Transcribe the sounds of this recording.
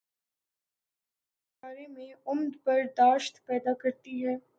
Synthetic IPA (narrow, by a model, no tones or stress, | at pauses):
baːɾemẽʊmd̪pɐɾd̪aːʃt̪pɛːd̪akɐɾt̪iɦɛː